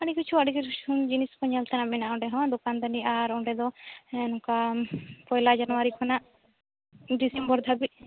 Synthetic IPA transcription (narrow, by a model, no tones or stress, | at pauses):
aɽikit͡ʃʰuaɽikit͡ʃund͡ʒiniskɔɲalt̪ʰɛnamɛnaɔ̃ɖɛɦɔ̃d̪ɔkand̪aniaɾɔɖɛd̪ɔnɔkapɔjlad͡ʒanɔwaɾikʰɔnaʔ | ɖisɛmbɔɾd̪ʱabit̪̚